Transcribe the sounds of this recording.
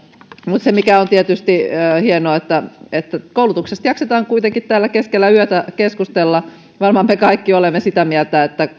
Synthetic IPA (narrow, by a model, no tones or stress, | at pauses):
mut̪semikæont̪iet̪yst̪ihienoɑet̪ːæet̪ːækoulut̪uksest̪jɑkset̪ɑːŋkuit̪eŋkit̪t̪æːlːækeskelːæyøt̪ækeskust̪elːɑ | ʋɑrmɑmmekɑikːiolemːesit̪æmielt̪æet̪ːæ